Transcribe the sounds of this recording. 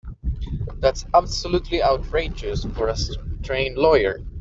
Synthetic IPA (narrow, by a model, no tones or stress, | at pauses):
ðætsæbsəlutʰliʔaʊtʰɹeɪd͡ʒɪsfəɹəstʰɹẽɪ̃nlɔɪə˞